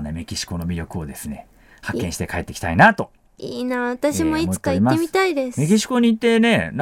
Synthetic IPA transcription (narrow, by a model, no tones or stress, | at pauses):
neme̞kʲiɕi̥ko̞no̞mʲiɾʲo̞kɯ̟o̞d̪e̞sɨne̞̰ | hakkːẽɕi̥t̪ekae̞t̪ːekʲi̥t̪a̰inat̪o̞ | iːnaβat̪aɕimoioɨt̪k̪ːaimaemʲit̪aid̪esme̞kʲiɕi̥ko̞ɲ̟iːt̪ːe̞ne̞n